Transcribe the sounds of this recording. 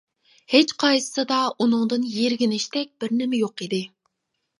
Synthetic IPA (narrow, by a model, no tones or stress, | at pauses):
het͡ʃqʰɑjsɨ̥sɨd̪ɑunɨŋd̪ɨnjeɾɡʲinɪʃt̪ɛk̚ʲb̥ɪɾnɪmɛjoqid̪ɪ